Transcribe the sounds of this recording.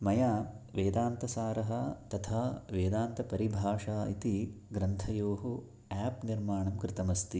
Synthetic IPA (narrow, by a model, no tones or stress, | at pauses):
mɐjaːʋeːd̪aːnt̪ɐsaːɾɐɦɐt̪ɐt̪ʰaːʋeːd̪aːnt̪ɐpɐɾibʱaːʂaːit̪iɡɾɐnt̪ʰɐjoːɦu | ɛːpniɾmaːɳɐmkɾɪt̪ɐmɐst̪i